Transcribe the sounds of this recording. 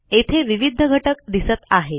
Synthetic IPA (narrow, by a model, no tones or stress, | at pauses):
et̪ʰeʋiʋid̪ʱːəɡʱəʈəkd̪isət̪aɦe